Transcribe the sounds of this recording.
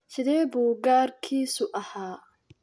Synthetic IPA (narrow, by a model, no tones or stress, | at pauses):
sɪðɛːbuːɡaːrkʰiːsʊʔɐhaː